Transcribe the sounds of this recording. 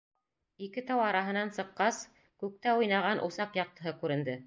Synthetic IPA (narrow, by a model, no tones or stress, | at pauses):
ikɘt̪ɑwɑɾɑɦɤ̆nɑnsɤ̆qːɑs | kʉk̚t̪æujnɑʁɑnʔṵsɑqjɑq̚t̪ɤ̆ɦɤkʉɾɘ̆nd̪ɘ